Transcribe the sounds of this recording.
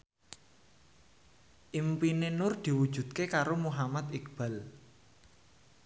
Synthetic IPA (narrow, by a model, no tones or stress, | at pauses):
ʔimpinenʊrd̪̥i̤wud̥ʒ̥ṳd̪̚kekaɾomuɦamat̪ikb̥a̤l